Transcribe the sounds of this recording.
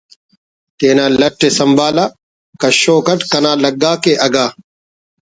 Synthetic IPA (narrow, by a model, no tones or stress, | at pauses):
t̪eːnaːlɐʈːesɐmbʱaːlaː | kɐɕoːkɐʈkɐnaːlɐɡaːkeʔɐɡaː